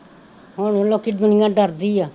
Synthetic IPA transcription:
ɦoːnoloːkːiːd̪ʊnɪjãːɖəɾd̪iːaː

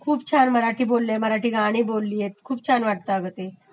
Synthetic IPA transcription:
kʰuːp̚t͡ɕʰanməɾaʈʰiːbolːeməɾaʈʰiːɡaɽ̃iːbolːiːjet̪̚kʰuːp̚t͡ɕʰanʋaʈ̚t̪aəɡət̪e

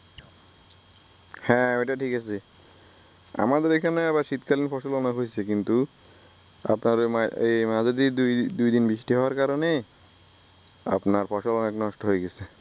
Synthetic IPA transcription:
hɛ̃ejʈaʈʰikat͡ɕʰe | a̰mad̪eɾekʰaneɛβaɾʃit̪kalinfɔʃolɔnaɦojt͡ɕʰekint̪u | a̰pnaɾaemad͡ʑad̪id̪ud̪ujd̪inbiʃʈiɦɔoaɾkaɾone | a̰pnaɾfɔʃolɔneknɔʃʈoɦoeɡɛt͡ɕʰe

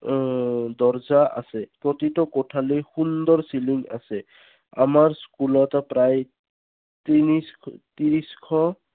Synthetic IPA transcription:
d̪ɔɹzaʔa̰sɛpɹɔt̪itɔkɔtʰalijxund̪ɔɹsiliŋɡa̰sɛ | a̰maɹskulɔtɔpɹaj | t̪inist̪iɹiskʰɔ

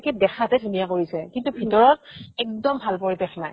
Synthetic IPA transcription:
kɛdɛxʰatɛtʰunijakoɹisɛkintubʱitɔɹɔt̚ɛk̚dɔmbʱalpoɹibexnaj

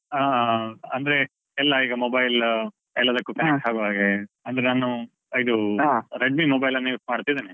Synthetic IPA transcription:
aːɐnd̪ɐɾe̞ | ɛlːɐiːɡɐmobɐjl | ɛlːɐd̪ɐkːukɐnek̚ʈɦaːɡuʋaːɡeɐnd̪ɐɾenaːnu | id̪uɾeɖ̚mimobɐjlɐnːiimaːɽt̪id̪iːni

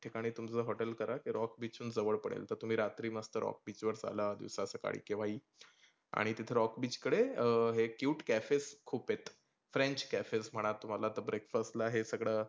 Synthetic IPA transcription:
ʈʰikaɽ̃iːt̪umt͡səːɦɔʈəlkəɾakiɾɔkbit͡ɕuːnd͡zəʋəɭpəɽḛlt̪əɾt̪um̤iːɾat̪ɾiːməst̪əɾɔ̰k̚bit͡ɕʋəɾd͡za̰ləd̪ḭʋsasəka̰ɽ̤ḭːkeʋaiː | a̰ɽ̃it̪it̪ʰeɾɔkbiːt͡ɕkəɽeəɦekjuːʈkæfeskʰuːpet̪ | fɾẽɲt͡ɕkæfesm̤əɽ̃at̪ːum̤alat̪əbɾekfəst̪laɦesəɡɭəː

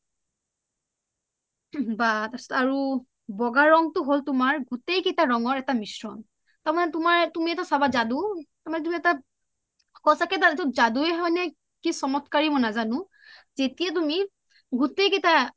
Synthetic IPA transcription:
batasɔ̥taɹu | bɔɡaɹɔŋtʊɦoltʊmaɹɡutejketaɹɔŋɔɹɛtamisɹɔ̰n | taɹmanɛtumaɹtumiɛtasabazadutaɹmanɛt̬umiɛta | kɔsakɛtatɔzaduɛɦɔjnɛ | kisɔmɔtkaɹimɔjnazanʊ̃ | zetijatumi | ɡutejketa

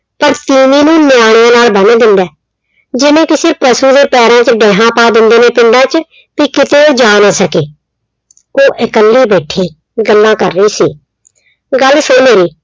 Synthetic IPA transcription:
pəɾt̪iːʋiːnũːnɪjaːɽ̃ɪjãːnaːlbəneːd̪ɪ̃nd̪ɛː | d͡ʒɪnẽːkɪsɪɾpəsuːd̪eːpɛːɾãːt͡ʃɖɛ̃ːɦãːpaːd̪ɪnd̪eːneːpɪ̃ɳɖãːt͡ʃ | piːkɪt̪eːod͡ʒaːnaːsəkeː | koːʔɪkəlːiːbeːʈʰːiː | ɡəlːãːkəɾːəiːsiː | ɡəlsoːmeːɾiː

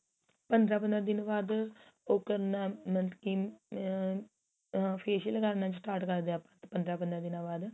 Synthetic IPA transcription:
pənd̪ɾaːpənd̪ɾãːd̪ɪnbaːd̪ʊkːəɾnãːmənkiː | pʰeːʃəlkəɾnãːt͡ʃsʈaːɾʈkəɾd̪ẽaːpãːt̪ːpənd̪ɾaːpənd̪ɾãːd̪ɪnãːbaːd̪

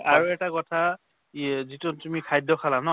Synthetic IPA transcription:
aɹuɛtakɔtʰa | izitutumikʰajdʱɔkʰalanɔ

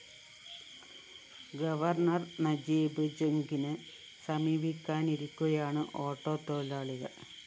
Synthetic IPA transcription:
ɡɐʋɐrnɐrnɐd͡ʑiːbɨd͡ʑeŋɡinɨ | sɐmiːbikʲːaːniɾukʲːuɐjaːɳɨʔo̞ːʈːo̞ːt̪o̞ːlaːɭiɣɐ̰ɭ

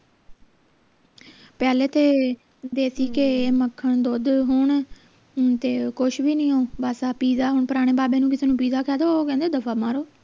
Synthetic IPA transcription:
pɛːleːt̪ʰeː | d̪eːsiːkeːməkʰːəɳd̪oːd̪ɦʊɳ | t̪eːkʊʃʰʋiːnĩːoːbaːsaːpiːzaːɦʊɳpəɾaːɽ̃eːbaːbẽːnũːkɪseːnũːpiːzaːkʰɛːd̪oːkɛ̃ːnd̪eoːd̪əfʰaːmaːɾoː

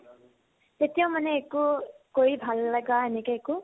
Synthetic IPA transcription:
t̪et̪ijõw̃mʌneːkukoibʱalːʌɡaenikaeku

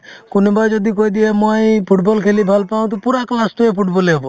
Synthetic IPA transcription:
konebaɾd͡ʒɔd̪ikojd̪iemojpʰuʈbɔlkʰelibʱalpaw̃t̪̬ɔpuɾaklast̪uepʰuʈbɔleɔbo

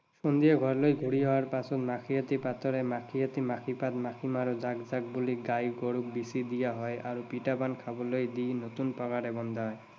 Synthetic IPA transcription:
ʃond̪ijaɡʱɔɾlojɡʱuɽiɦɔwaɾpasɔt̪makʰijat̪ipat̪ɔɾemakʰijat̪imakʰipat̪makʰimaɾod͡ʑaɡd͡ʑaɡ̚buliɡajɡoɽuk̚bisid̪ijaɦɔeʔaɾupiʈabankʰabolojd̪ijnot̪unpɔɡaɽebɔnd̪aɦɔe

